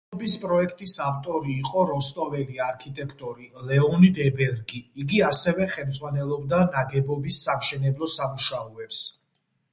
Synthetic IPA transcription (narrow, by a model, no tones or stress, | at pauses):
bispʼɾɔɛkʰt̪ʼisaft̪ʼɔɾiːqʼɔɾɔst̪ʼɔvɛliaɾkʰit̪ʼɛkʰt̪ʼɔɾilɛɔnid̪ɛbɛɾɡiiɡiasɛvɛχɛlmd̪zʁwanɛlˠɔbd̪anaɡɛbɔbisːamʃɛnɛblˠɔsamuʃaɔɛps